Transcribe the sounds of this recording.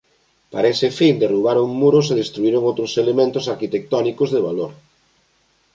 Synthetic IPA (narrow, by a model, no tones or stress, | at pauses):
pa̰ɾaesɪfind̪eruβ̞aɾoŋmuɾʊs̬eðest̪ɾuiɾoŋowt̪ɾoselemẽnt̪ʊsaɾkit̪ek̚t̪ɔnikozðeβ̞aloɾ